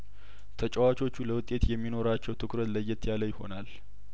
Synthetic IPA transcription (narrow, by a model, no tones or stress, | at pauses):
t̪ʰət͡ʃʼəwat͡ʃʼo̞t͡ʃːuləwʊt̪ʼːe̞t̪jɛmːino̞ɾat͡ʃːɛwt̪ʰɨkɾət̪ləjːɛt̪jaləjɪho̞̰nal